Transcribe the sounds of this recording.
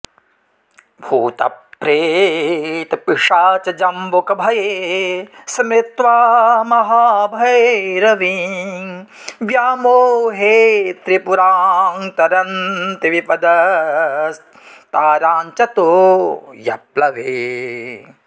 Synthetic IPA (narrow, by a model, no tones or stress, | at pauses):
bʱuːt̪ɐ̰pːɾeː | t̪piʂaːt͡ʃɐd͡ʒɐmbokɐbʱɐjeː | sɐmɾɪt̪ʋaːmɐɦaːbʱɐjɾɐʋi | ʋjaːmoːɦeːt̪ɾipuɾaːŋt̪ɐɾɐnt̪iʋipɐd̪ɐ | s | t̪aːɾaːɲt͡ʃɐt̪o | jɐplɐʋeː